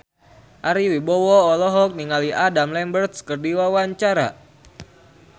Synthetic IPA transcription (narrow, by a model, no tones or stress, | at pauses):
ʔaɾiwibɔwɔɔlɔɦɔk̚niŋaliʔadamlɛmbərt̪skərdiwawaɲt͡ʃaɾa̰